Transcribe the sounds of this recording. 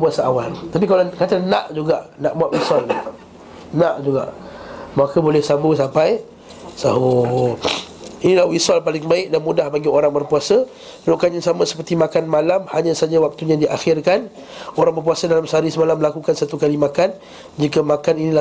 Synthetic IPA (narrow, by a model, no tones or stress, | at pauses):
buasəawalt̪apikalakat̪ana̰ʔd͡ʒuɡaʔnaʔmuaʔwisɔl | naʔd͡ʒuɡa̰ʔmakəbolɛhsambəsampaj | saɦu | inilahwisɔlpalɪŋbaɪk̚danmudahbaɡioɾaŋbərpuasə | əɾuʔkanãŋsamə̃sə̥pərt̪imakanmalamhaɲãsad͡ʒawak̚t̪uɲãdiʔaxɪrkan | oɾaŋbərp̬uasədalamsaɾisəmalamːəlakukansat̪ukalimakan | d͡ʒikəmakaninila